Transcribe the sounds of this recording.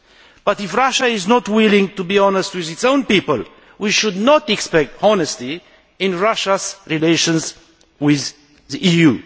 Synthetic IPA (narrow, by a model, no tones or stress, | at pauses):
b̥atɪfɹaʃaɪznɔtwɪlɪ̃ŋtubiɔnəstwɪðɪtsõʊ̃npipəl | wiʃudnɔtɛkspɛk̚tɔnəsti | ɪ̃nɹaʃazɹileʃə̃nz | wɪð | ðiʔiju